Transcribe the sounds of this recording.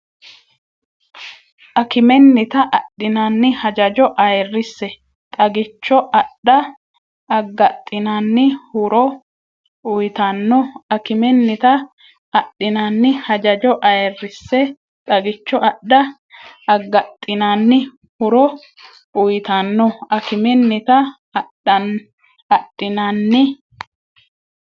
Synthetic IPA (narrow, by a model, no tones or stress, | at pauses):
ʔɐkɪmɛnːɪt̪ɐʔɐɗːɪnaːnːɪhɐd͡ʒɐd͡ʒɔʔɐjɛrːɪsːɛ | t̪ʼɐɡɪt͡ʃːɔʔɐɗːɐ | ɐɡːɐt̪ʼːɪnaːnːɪhʊɾɔ | ʊjt̪anːɔɐkɪmɛnːɪt̪ɐ | ɐɗɪnaːnːɪhɐd͡ʒɐd͡ʒɔʔɐjɛrːɪsːɛ | t̪ʼɐɡɪt͡ʃːɔʔɐɗɐ | ɐɡːɐt̪ʼːɪnaːnːɪ | hʊɾɔ | ʊjt̪anːɔɐkɪmɛnːɪt̪ɐ | ɐɗɐ | ɐtʼːɪnaːnːɪ